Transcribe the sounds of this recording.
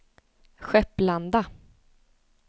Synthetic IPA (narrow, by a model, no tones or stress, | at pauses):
ɧɛpːland̪a